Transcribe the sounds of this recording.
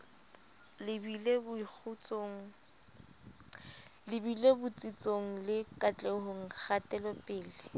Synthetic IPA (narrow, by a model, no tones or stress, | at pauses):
lɪbilebʊik͡xʰut͡sʼoŋ̩ | lɪbilebʊt͡sʼit͡sʼoŋ̩lɪkʼat͡ɬʼɛɦʊŋ̩k͡xʰatʼɛlɔpʼɪːlɪ